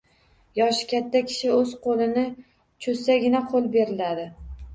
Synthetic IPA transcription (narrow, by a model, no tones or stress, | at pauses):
jɒʃkʲat̪ːakʲʰɪ̥ʃɪɵz̥qʰolɪnɪ | t͡ʃʰɵsaɡʲɪnaqʰolˠbe̞ɾɪlad̪ɪ